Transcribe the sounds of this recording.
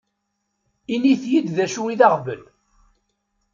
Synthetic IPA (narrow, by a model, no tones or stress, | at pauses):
iniθjid̪ðæʃuiðɑʁvə̰l